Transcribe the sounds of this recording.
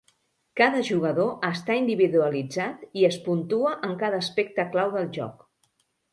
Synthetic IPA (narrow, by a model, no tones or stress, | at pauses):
kaðəʒuɣ̞əðoʔəst̪aind̪iβiðuəlid͡zat̪iəspunt̪uəʔəŋkaðəːspek̚t̪əklawðəlˠʒɔ̰k